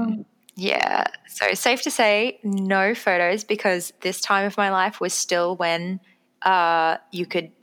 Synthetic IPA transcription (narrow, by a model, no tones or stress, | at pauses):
jæ̰soʊɨtseɪftʰɨseɪnoʊfoʊɾoʊzbɨkʰʌzðɪstʰãɪ̃mʌvmaɪlaɪfwʌz̥stɪlˠwɨ̃n | ʔʌjɨkʰɨd̚